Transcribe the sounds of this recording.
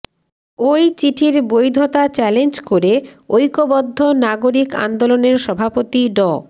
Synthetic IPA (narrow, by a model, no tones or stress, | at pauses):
ojt͡ɕiʈʰiɾbojd̪ʱot̪at͡ɕɛlend͡ʑkoɾeojkobɔd̪ʱːonaɡoɾika̰nd̪oloneɾʃɔbʱapot̪iɖɔ